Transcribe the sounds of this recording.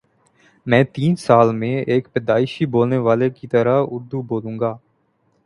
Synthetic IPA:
mɛ̃ːt̪iːnsaːlmẽeːkpɛːd̪aːɪʃiboːlneʋaːlekit̪əɾaɦʊɾd̪uboːlũːŋɡaː

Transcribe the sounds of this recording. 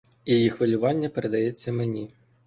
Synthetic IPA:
jajixʋɐlʲʊvanʲːɐpɛɾed̪ajɛt͡sʲːɐmenʲi

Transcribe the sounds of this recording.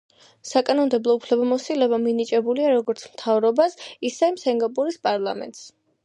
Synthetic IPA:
sakʼanɔmd̪ɛblˠɔupʰlɛbamɔsilɛbaminit͡ʃʼɛbuliaɾɔɡɔɾt̪sʰmt̪ʰavɾɔbasisɛimsɛŋɡapʼuɾispʼaɾlˠamɛ̰nt̪ʼs

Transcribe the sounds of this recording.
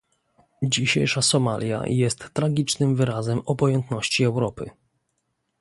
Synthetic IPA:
d͡ʑiɕḛjʂasɔma̰lʲja̰jɛst̪ːɾaɡʲit͡ʂnɘmvɘɾazɛmɔbɔjɛnt̪nɔɕt͡ɕiɛwɾɔpɘ̰

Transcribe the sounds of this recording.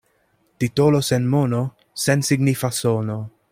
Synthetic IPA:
t̪it̪olosenmono | sensiɡnifasono

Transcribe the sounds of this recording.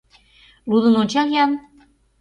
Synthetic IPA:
lud̪ənot͡ɕɑɣjɑn

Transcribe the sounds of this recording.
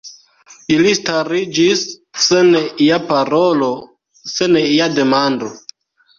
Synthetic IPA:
ilistaɾid͡ʒisː | eniapaɾolo̞ | seniade̞mando̞

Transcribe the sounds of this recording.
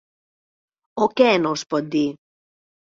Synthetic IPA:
okɛnospɔd̪i

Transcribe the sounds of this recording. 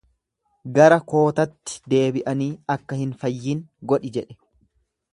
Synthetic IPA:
ɡɐɾɐko̞ːt̪ɐt̪ːɪ̥d̪e̞ːbɪʔɐniːɐkːɐhɪnfɐjːiːŋɡɔᶑɪd͡ʒɛᶑɛ̥

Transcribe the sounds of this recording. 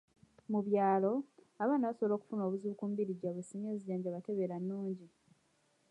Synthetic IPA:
muβjaːlo̞ | aβaːnaβasoβlo̞ːku̥funo̞βuzukuːmbiɾiɟːaβwesiɲeːziɟaːɲɟaβate̞βe̞ɾanːuːɲɟi

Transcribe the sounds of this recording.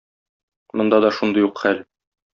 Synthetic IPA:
mŏnd̪ɑd̪ɒʃund̪ɤjuqχæl

